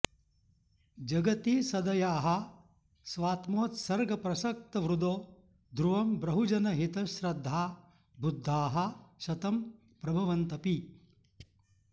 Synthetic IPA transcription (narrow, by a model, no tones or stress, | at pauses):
d͡ʒɐɡɐt̪iːsɐd̪ɐjaːɦɐ̆ | sʋaːt̪moːt̪sɐɾɡɐpɾɐsɐk̚t̪ɐʋɾud̪oː | d̪ʱɾuʋɐmbɾɐɦud͡ʒɐnɐɦit̪ɐʃɾɐd̪ʱːaː | bʱud̪ʱːaːɦɐ̆ʃɐt̪ɐm | pɾɐbʱɐʋɐnt̪ɐpi